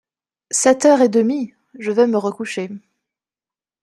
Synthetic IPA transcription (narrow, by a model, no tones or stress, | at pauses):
sɛt̪œʁed̪əmi | ʒəvɛməʁəkuʃe